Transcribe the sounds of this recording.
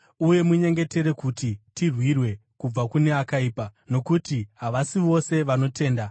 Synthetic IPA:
uje̞muɲe̞ŋɡe̞te̞ɾe̞kutitirwirwe̞kub͡vakune̞akaiːpano̞kutiɦaʋasiʋo̞se̞ʋano̞tʰe̞ːnda

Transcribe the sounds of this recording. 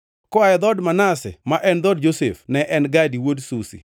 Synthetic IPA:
kɔaɛd̪ɔdmanasɛ̰maʔɛnd̪ɔd̚d͡ʒosḛfnɛʔɛnɡadiwodsusḭ

